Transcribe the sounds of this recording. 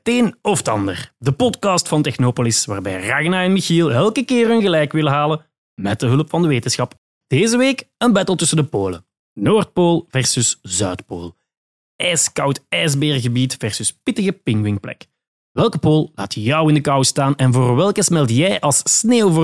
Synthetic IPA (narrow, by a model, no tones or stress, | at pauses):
teːnɔfətɑ̰ndə̰rdəpɔtkɑːstfɑntɛxnoːpolɪsʋaːrbɛ̰jraːɣnaɛnmixiːlˠɛlˠkəkɪːrənɣəlɛjkʋɪləɦaːlə | mɛt̚dəɦɵləpfɑndəʋeːtənsxɑp | d̥eːzəʋeːkənbɛtəlˠtʏsəndəpoːlə̰ | noːrt̚poːlˠvɛrsʏsz̥œɥtpo̰ːlˠ | ɛːskɑwtɛzbeːrɣəbiːtvɛrsʏspɪtəɣəpɪŋwɪŋplɛ̰k | ʋɛlˠkəpoːlˠla̰ːtjʌwɪndəkɑwstaːnɛnvoːrʋɛlˠkəsmɛlˠtjɛjʔɑlˠsneːwvo